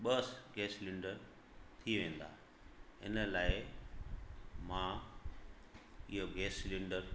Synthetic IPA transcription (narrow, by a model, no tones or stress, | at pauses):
ɓəsɡɛːslɪ̃ɳɖəɾ | t̪ʰiʋẽːn̆d̪a̰ː | ɪ̰nə̆laːɪ | mãː | ɪɦoɡɛːslɪ̃ɳɖəɾ